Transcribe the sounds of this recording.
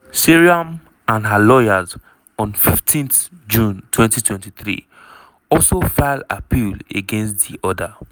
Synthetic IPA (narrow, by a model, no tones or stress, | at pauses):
siɹiam | ãnɦalɔjaz | ɔ̃nfiftʰĩnθd͡ʒũntwɛ̃ntitwɛ̃ntiθɹḭ | ɔlsofala̰pʰilḛɡɛ̃nstðḭʔɔda